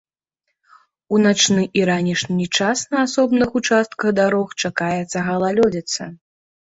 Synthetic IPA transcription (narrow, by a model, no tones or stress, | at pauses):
unat͡ʂnɨʔiɾanʲiʂnʲit͡ʂasnɐasɔbnɨxut͡ʂast̪̚kɐɣd̪aɾɔxt͡ʂakajɛt̪sːɐɣɐlˠalʲɔd͡zʲɛt̪sɐ̰